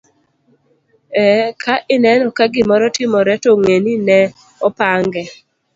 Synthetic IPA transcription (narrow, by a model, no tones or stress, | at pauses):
ɛkʰaʔɪnɛnɔkaɡɪmɔɾɔtɪmɔɾɛtɔŋeninɛ | ɔpaŋɡɛ